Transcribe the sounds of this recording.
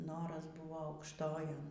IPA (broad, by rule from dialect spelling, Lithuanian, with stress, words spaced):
ˈnoːrɐs ˈbuːʋoː ɐʊkʃˈtoːjoːn